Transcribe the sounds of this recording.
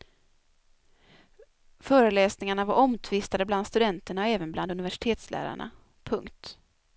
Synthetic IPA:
fœːɾəlɛːsnɪŋaɳavaɾʔɔmt̪ʰvɪst̪ad̪əbland̪st̪ɵd̪ɛnt̪əɳaɔɛːvənbland̪ɵnɪvæʂɪ̥t̪ʰeːt̪slʔæ̰ːɾa̰ɳa̰ | pʰɵŋkt̪

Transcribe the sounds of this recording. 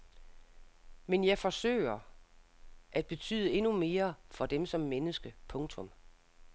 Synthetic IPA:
menjɑ̈ɪfɒ̽sø̰ːɪɐ | ʔæd̥̚b̥e̝t͡sʰy̰ːð̞ˠəe̝nume̝ːɐfɒ̽d̥emsɒ̽mːenəsɡ̥əpʰɔ̽ŋt͡sʰɔ̽m

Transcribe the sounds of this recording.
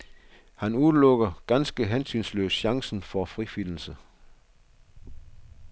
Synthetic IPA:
hænuðˠlɔ̽ɡ̥ɐɡ̥ænsɡ̥əɦensynslø̰ːsɕɑ̈ŋsn̩fɒfʁifyn̰l̩sə

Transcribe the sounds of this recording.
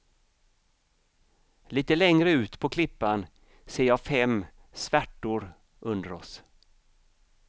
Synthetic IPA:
liːt̪əlɛŋɾəʉ̟ːt̪pʰɔkʰlɪpːan | seːɾjɑːfɛm | svæʈːʊɾ | ʔɵnd̪əɾɔs

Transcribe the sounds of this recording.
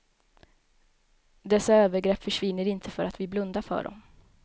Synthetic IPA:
d̪ɛsːaøːvəɾɡɾɛpːfœʂvɪnːəɾɪnt̪ʰəfœɾʔat̪vɪblɵnd̪afœ̰ːɖɔ̰m

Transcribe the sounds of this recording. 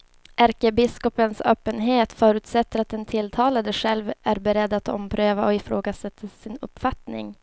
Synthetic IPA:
ʔæɾkəbɪskɔpənsøːpːənɦeːt̪fœːɾʉ̟ːt̪sɛt̪ːəɾat̪̚d̪ɛnt̪ʰɪlt̪ʰɑːlad̪əɧɛlvæɾbɛɾɛd̪ːat̪ɔ̰mpʰɾøːvaɔɪfɾoːɡasɛt̪ʰːasɪnɵ̰pːfat̪nɪ̰ŋ

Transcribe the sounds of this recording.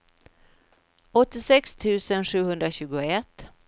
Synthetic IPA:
ɔt̪ːɪsɛkst̪ʰʉ̟ːsənɧʉ̟ːhɵnd̪ɾaɕʉ̟ːɡʊɛt̪ː

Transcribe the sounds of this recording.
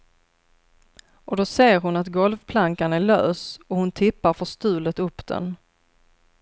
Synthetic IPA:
ʔɔd̪ɔseːɾɦʊnat̪ɡɔlvpʰlaŋkanæɭøːsɔhʊnt̪ʰɪpːaɾfœʂt̪ʉ̟ːlət̪ɵpːd̪̥ɛ̰n

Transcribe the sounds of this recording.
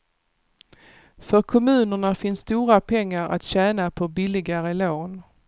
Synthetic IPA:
fœɾkʰɔmʉ̟ːnəɳafɪnsːt̪uːɾapʰɛŋːaɾa̰t̪ɕɛːnapʰɔbɪlɪɡaɾəloːn

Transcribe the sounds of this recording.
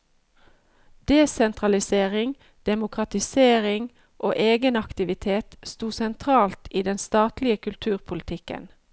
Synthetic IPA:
d̪̥eːsɛnt̪ʁɑlɪseːʁɪŋ | d̪̥ɛmʊkʁɑt̪ɪseːʁɪŋ | ʔo̰ːʔeːɡənɑkt̪ɪʋɪt̪ʰeːt̪st̪uːsɛnt̪ʰʁɑːlt̪iːd̪ɛnst̪ɑːt̪lɪəkʰʉlt̪ʰʉːʁpʰʊlɪt̪ʰɪkə̰n

